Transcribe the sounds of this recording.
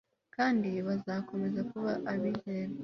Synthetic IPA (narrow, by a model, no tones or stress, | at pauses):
kaːndiβazako̞me̞zakuβaʔaβiheɾa